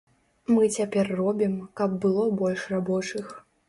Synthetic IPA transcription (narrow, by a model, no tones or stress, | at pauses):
mɨt͡sʲapʲɛrːɔbʲimkɐb̚ːɨlˠɔbɔlʲʂrabɔt͡ʂɨx